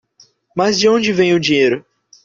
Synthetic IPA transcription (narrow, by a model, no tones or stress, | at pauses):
mazd͡ʒɪõnd͡ʒɪvẽj̃ʊd͡ʒĩɲejɾʊ